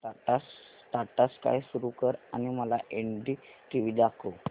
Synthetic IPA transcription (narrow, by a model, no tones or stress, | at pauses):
aʈas | ʈ̪aʈaska̰jsuɾukəɾa̰niməlaʔeɳɖiʈiʋid̪akʰo